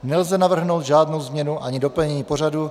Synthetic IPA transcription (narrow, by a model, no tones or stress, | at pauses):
nɛlzɛnavr̩ɦno̞wt̪ʒaːdnowzmɲɛnuʔaɲɪdo̞pl̩ɲɛɲiːpo̞radu